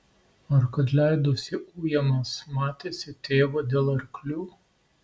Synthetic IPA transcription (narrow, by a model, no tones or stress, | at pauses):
ɐɾkɐt̪lʲæɪd̪oːsʲɪʔuːjɛmɐsmɑːt̪ʲeːsʲɪt̪ʲeːʋoːd̪ʲeːlˠɐɾʲklʲuː